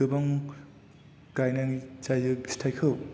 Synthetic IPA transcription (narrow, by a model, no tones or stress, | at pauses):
ɯbaŋ | kajnaŋit͡ʃajzɯɡistʰajkʰɯw